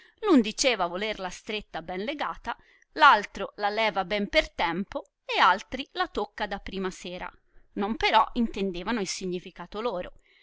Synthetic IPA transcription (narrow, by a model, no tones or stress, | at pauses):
lund̪it͡ʃeːvavolerlast̪ɾet̪ːabɛnleɡaːt̪a | lalt̪ɾolalɛːvabɛmpert̪ɛmpo | ealt̪ɾilat̪okːad̪apːɾiːmasɛːɾa̰ | nompeɾɔint̪end̪eːvanoilsiɲːifikaːt̪oloːɾo